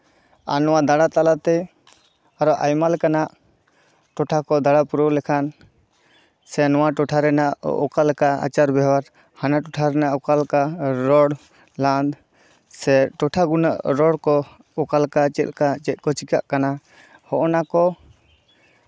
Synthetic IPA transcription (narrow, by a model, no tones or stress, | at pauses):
a̰nɔwad̪aɽat̪alat̪ɛ | aɾɔʔajmalkanaʔ | ʈɔʈʰakɔd̪aɽapuɾɔlɛkʰan | sɛnɔwaʈɔʈʰaɾɛnaʔɔ̰kalkaa̰t͡ʃaɾbɛɦwaɾ | hanaʈɔʈʰaɾɛnaʔɔkalkaɾɔɽ | lãnd̪ | sɛʈɔʈʰaɡunaʔɾɔɽkɔ | ɔkalkat͡ʃɛt̪̚kat͡ʃɛt̪̚kɔt͡ʃikaʔkana | hɔʔɔnakɔ